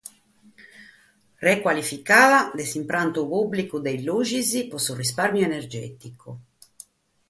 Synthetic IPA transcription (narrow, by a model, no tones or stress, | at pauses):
rɛkwalifikaːðad̪esimpɾant̪upubːlikud̪ejluːd͡ʒizipɔsurisparmjoenerd͡ʒɛ̰ːt̪ikʰo